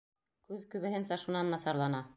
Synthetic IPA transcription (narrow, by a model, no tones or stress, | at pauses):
kʉðkɵ̆βɘ̆hɘnsɑʃunɑnːɑsɑɾlˠɑnɑ